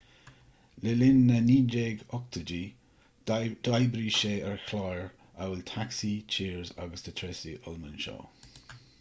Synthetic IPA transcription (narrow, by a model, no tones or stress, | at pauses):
lɪlɪnːəniːd͡ʒeːɡɔk̚t̪ʰəd͡ʒi | d̥ajbɾiʃeːəɹxlajɹ | ʔawɪlt̪ʰaksit͡ʃʰiːɹza̰ɡəsd̪̥ət̪ʰɾɛsiʔɔlmənʃɔ̰ː